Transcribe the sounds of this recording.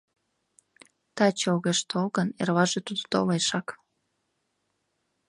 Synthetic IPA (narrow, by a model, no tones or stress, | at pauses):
t̪ɑt͡ɕolɣeʃt̪olɣənerβɑʒet̪ud̪ot̪oleʃɑk